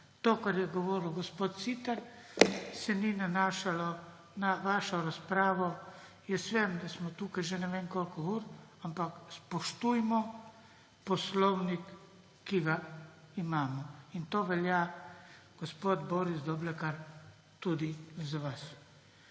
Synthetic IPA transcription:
t̪oːkaɾjɛɡɔʋoːɾilɡɔspot̪̚t̪sit̪aɾ | sɛninanaːʃalɔ | naʋaːʃɔɾaspɾaːʋɔ | jɛsʋɛmd̪asmɔt̪uːkajʒɛnɛʋenkolkɔuɾampakspɔʃt̪ujmɔ | pɔslɔwnikː | iɡaimaːmɔint̪oːʋɛlja | ɡ̥ospoːd̪boːɾisd̪ɔblɛkaɾ | t̪ud̪izaʋas

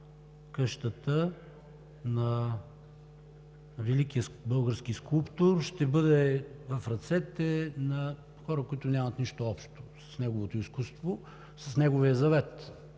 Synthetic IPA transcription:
kɤʃt̪ət̪ə | nɐ | vɛlikijəbɤlˠɡəɾsk̟iskulˠpt̪oɾʃt̪ɛbɤd̪ɛvɐfɾɐt̪sɛt̪ɛnɐ | xɔɾəkoit̪ʊnʲamɐt̪niʃt̪oɔpʃt̪o̥sɐ̥snɛɡovot̪oiskust̪vo | sɐsnɛɡovijəzɐvɛt̪

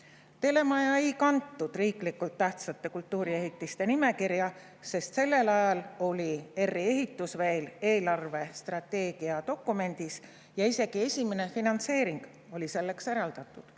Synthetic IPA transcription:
t̪e̞le̞mɑjɑejkɑnt̪ːud̪̥riːklikːult̪ːæht̪sɑt̪ːˑe̞kult̪ːˑuːɾie̞ɦit̪ːist̪e̞nime̞kirjɑ | se̞st̪se̞lːe̞lɑjɑlo̞lʲie̞rːie̞ɦit̪ːˑusveːle̞ːlɑrve̞st̪rɑt̪ːe̞ːɡ̥iɑt̪o̞kːˑume̞nʲd̪̥is | jɑise̞ɡ̥ie̞sʲimene̞finɑnt̪se̞ːɾiŋɡ̥ | o̞lise̞lːe̞kse̞ɾɑld̪̥ɑt̪ːˑud̪̥

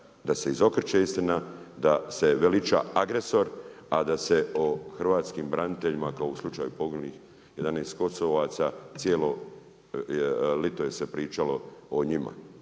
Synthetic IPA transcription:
d̪ase̞izo̞kr̩t͡ʃeist̪inad̪ase̞ʋelit͡ʃa̰aɡɾe̞so̞ɾad̪ase̞oxrʋaːt̪skiːmbɾanit̪eʎimakaouslˠut͡ʃaːjupo̞ɡnulix | je̞d̪aneːst̪̚ko̞soʋaːt̪saːt̪sjeːlo̞ | lit̪oje̞se̞pɾiːt͡ʃalo̞oɲima̰

